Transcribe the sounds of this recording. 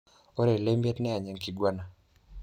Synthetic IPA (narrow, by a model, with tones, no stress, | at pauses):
o˦ɾe˨le˦mjɛ˦tnɛ˦a˨ɲɛ˨ŋki˨ɡwa˦na˨